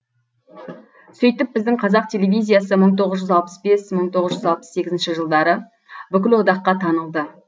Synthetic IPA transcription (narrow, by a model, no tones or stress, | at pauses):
sɵjt̪ɪp̚bɪzd̪ɪɴqʰɑzɑq̚t̪ʲʰe̞lʲevʲijzʲijasəməɴt̪ʰo̞ʁəzʒʏzɑlˠpə̥sbe̞sməɴt̪ʰo̞ʁəzʒʏzɑlˠpə̥sːe̞ɡʲɪzɪnʃɪʒəlˠd̪ɑɾə | bʏkʲɪlwo̞d̪ɑqːɑt̪ʰɑnəlˠd̪ə